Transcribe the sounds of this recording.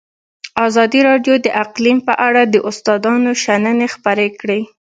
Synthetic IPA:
ɑzɑd̪iɾɑɖjod̪əʔaqlimpəʔaɽad̪əʔʊst̪ɑd̪ɑnoʃanənexpaɾekɽe

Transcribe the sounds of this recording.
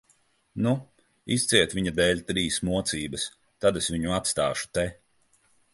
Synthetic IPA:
nu | ist̪sʲiɛt̪viɲad̪ɛːlʲt̪ɾiːsmuɔt̪siːbɐs | t̪ad̪esvʲiɲuat̪st̪aːʃu̥t̪ɛ

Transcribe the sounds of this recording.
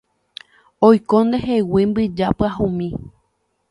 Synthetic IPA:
ojkõnd̪eɦewimbɨd͡ʒapɨahũmĩ

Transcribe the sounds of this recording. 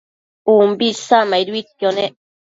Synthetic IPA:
umbisamaiɾwit̚jone

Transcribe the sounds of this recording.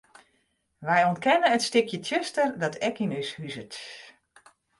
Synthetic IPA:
ʋɛjɔnt̚kɛnəətstɪkjətʰjøstərdɔtʰɛkinœshyzət

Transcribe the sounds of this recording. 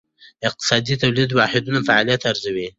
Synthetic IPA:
ɪq̚t̪ɪ̥sɑd̪it̪awlid̪wɑħɪd̪unafaʕɑlijat̪aɾzawi

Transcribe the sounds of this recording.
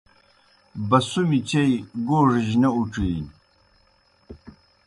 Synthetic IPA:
bɐsumit͡ɕʰejɡoːʐiʑnɐuʈ͡ʂiː

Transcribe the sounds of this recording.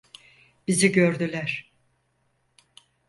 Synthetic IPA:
b̥iziɟøɾd̪ylʲæɾ̥

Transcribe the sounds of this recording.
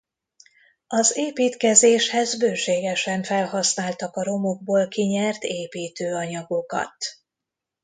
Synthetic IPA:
ɒzeːpiːt̪kɛzeːʃhɛzbøːʃeːɡɛʃɛɱfɛlhɒsnaːlt̪ɒkɒɾo̞mo̞ɡ̚boːlkiɲɛrt̪eːpiːt̪øːɒɲɒɡo̞kɒ̰t̪

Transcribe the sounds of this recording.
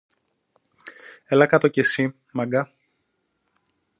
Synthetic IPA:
elɐkɐt̪o̞cesi | mɐɡɐ

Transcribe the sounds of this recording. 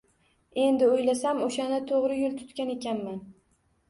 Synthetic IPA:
e̞nd̪ɪojlasamoʃanɪt̪ʰoʁɾɪjʊlˠt̪ʰʊ̥t̪kʲane̞kʲanman

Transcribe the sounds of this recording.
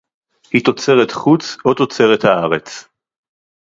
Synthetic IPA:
hit̪o̞t͡se̞ʁet̪χut͡so̞t̪o̞t͡se̞ʁet̪haaʁet͡s

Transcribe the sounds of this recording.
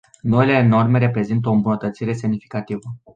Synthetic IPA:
no̞ile̞no̞rme̞ɾe̞pɾe̞zint̪əombunət̪ət̪siɾe̞se̞mnifi̥kat̪ivə

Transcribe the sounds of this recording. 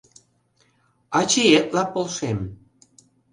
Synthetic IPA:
ɑt͡ɕeet̪̚lɑpolʃem

